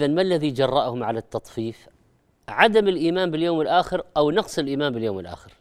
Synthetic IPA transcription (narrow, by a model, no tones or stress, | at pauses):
ðanmalːaðid͡ʒɑrˤːɑʔhʊmʕalat̪ːɑt̪ˤfiːf | ʕad̪amɪlʔiːmaːnbɪljoːmɪlʔaːxɪɾʔawnɑqsˤɪlʔiːmaːnbɪljoːmɪlʔa̰ːxɪɾ